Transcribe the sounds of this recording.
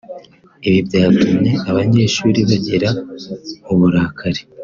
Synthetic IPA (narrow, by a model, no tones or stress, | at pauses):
iβibɟaːzumɲe̞aβaɲe̞ːʃuːɾiβaɟeɾa | uβuɾaːkʰaɾe